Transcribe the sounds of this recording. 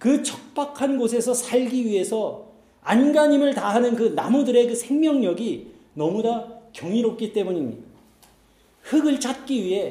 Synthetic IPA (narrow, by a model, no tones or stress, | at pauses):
kɯt͡ɕʰʌ̥k̚p͈akʰanɡosʰe̞sʰʌsʰaʎɡiɥiɦe̞sʰʌ | anɡaɲimɯɭtaɦanɯnkɯnamudɯɾe̞kɯsʰe̞ŋmjʌŋɲʌɡi | nʌmunakjʌŋiɾop̚k͈it͈e̞muɲimɲida | hɯɡɯɭt͡ɕ͈at̚k͈iɥiɦe̞